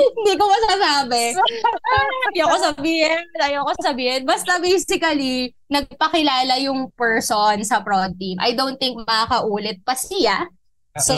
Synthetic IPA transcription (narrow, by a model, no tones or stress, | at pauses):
hɪnd̪ikomɐsasaːbɛ | nd̪iɐkos̬ɐbiːhɪnt̪aːjoɐkosɐbiːhɪnbɐst̪ɐbejsɪkɐli | nɐɡ̚pɐkɪlaːlɐjʊŋpɛɹsonsɐpɾod̪̚t̪imʔɐ̰jd̪ownt̪ɪŋk̚mɐkakɐʔuːlɛt̪̚pɐsɪja | so